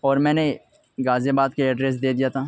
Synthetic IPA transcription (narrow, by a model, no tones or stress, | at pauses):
ɔːɾmɛ̃ːne | ɡaːzebaːd̪̚keɛɖɾeːs̬d̪eːd̪ijat̪ʰaː